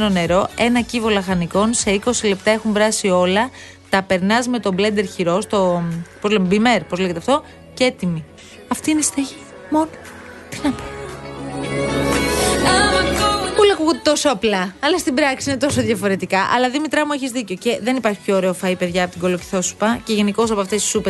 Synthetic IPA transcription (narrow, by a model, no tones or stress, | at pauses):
none̞ɾo̞e̞nɐcivolɐxɐniko̞nse̞iko̞sile̞p̚t̪ɐe̞xuɱvɾɐsio̞lɐ | t̪ɐpe̞ɾnɐzme̞t̪o̞ble̞nd̪e̞ɾçiɾo̞st̪o̞pozlemebime̞ɾpozleʝet̪eɐft̪o̞ | ce̞t̪imi | ɐft̪iinest̪ɐʝi | mon | t̪i̥nɐpo̥ | pulɐkuɣot̪et̪o̞soɐplɐɐlɐst̪ibɾɐksiine̞t̪o̞soðʝɐfo̞ɾe̞t̪ikɐʔɐ̰lɐðimit̪ɾɐmueçizðiceoce̞ðe̞nipɐɾçipço̞ːɾe̞ofɐipe̞ðʝɐpot̪iɡo̞loci̥θo̞su̥pɐce̞ʝe̞niko̞s̬ɐpoɐft̪est̪i̥supe